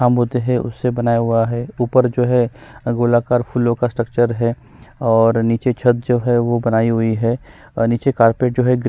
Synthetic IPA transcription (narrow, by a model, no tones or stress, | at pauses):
aːmɦot̪eɦɛ̃ʊ̰sːebɐnaːjaɦʊaɦɛuːpəɾd͡ʒoːɦɛɡoːlakaːɾpʰulõkasʈɾək̚t͡ʃəɾɦɛ | ɔːɾniːt͡ʃet͡ʃʰət̪̚d͡ʒoːɦɛʋobɐnaːiɦʊiɦɛː | niːt͡ʃekaːɾpeːʈ̚d͡ʒoːɦɛɡ